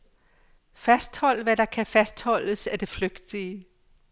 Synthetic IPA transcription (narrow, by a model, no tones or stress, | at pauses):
fæsd̥hɒ̽l̰ʋæd̥ɑ̈kʰæfæsd̥hɒ̽l̰əsæd̥e̝fløɡ̥d̥iə